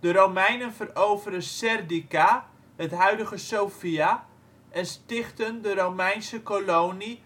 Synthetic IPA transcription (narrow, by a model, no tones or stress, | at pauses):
d̥əɾowmɛjnənfərowvəɾəsɛrdika | hətɦœɥdəɣəsowfia | ʔɛnstɪχtəndəɾowmɛjnsəkolowni